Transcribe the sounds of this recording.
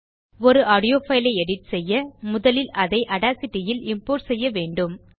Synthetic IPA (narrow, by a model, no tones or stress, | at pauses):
ɔɾɯʔaːɽɪjoːfɐɪlɐɪɛɽɪʈsɛjːɐmʊðɐlɪlɐðɐɪʔɐɽaːsɪʈːɪjɪlɪmpoːɾsɛjːɐʋeːɳɖɯm